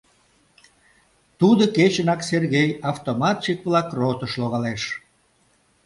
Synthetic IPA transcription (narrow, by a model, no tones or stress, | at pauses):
t̪ud̪oket͡ɕənɑkserɣejɑft̪omɑt̪ʃikβlɑkrot̪əʃloɣɑleʃ